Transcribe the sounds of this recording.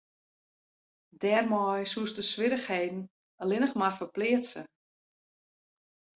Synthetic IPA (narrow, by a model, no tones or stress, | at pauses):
dɛːrmɔjsuəstəsʋɪɾəxheːdn̩ | əlɪnəxmarfərplɪətsə